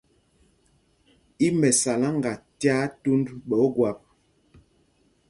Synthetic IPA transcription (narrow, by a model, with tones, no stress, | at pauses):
i˦mɛ˨sa˨la˦ŋ˨ɡa˨tja˦tu˦ndɓɔ˨˦ɡwa˨p̚